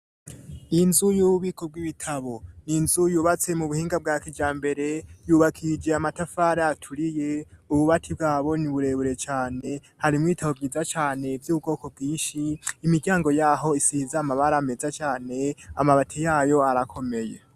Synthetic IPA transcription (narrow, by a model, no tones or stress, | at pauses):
inzujuːβuβiːkʰo̞b̚ɡwiβitʰaβo̞ninzujuːβat͡se̞muβuhiːŋɡab̚ɡaːkid͡ʒaːmbe̞ɾe̞juːβakʰid͡ʒe̞amatafaːɾeatʰuɾije̞uβuβatʰib̚ɡaːβo̞niβuɾe̞βuɾe̞t͡ʃaːne̞ | haɾimuitʰaβo̞bɡiːzat͡ʃaːne̞vjuːβub̚ɡo̞ːko̞b̚ɡiːnʃiːmiɡjaːŋɡo̞jaːɦo̞isizaːmaβaɾaːme̞zat͡ʃaːne̞a̰maβatʰijaːjo̞aɾakʰo̞me̞je